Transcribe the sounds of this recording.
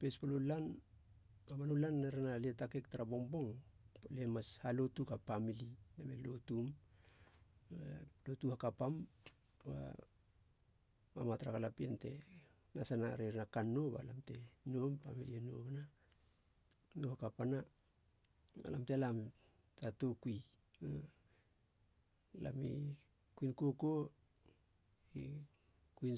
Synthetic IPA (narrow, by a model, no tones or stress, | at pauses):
pespalolan | amanolanːaɾanaletake̞ktaɾabo̞ŋbo̞ŋolemashalo̞tukapamiliname̞lo̞tum | alotuhakapam | ba̰ | mamataɾakalapiente̞̰ | nasanaɾeɾnakanːo̞ba̰lamte̞nompameɾieno̞̰kana | nohakapana | a̰lamtelam | tatokui | a | la̰mḭ | kuinko̞ko | i | kuin